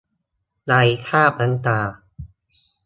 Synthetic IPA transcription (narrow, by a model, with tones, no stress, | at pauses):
la˧jkʰaː˥˩p̚ʔa˧nt̪aː˧˩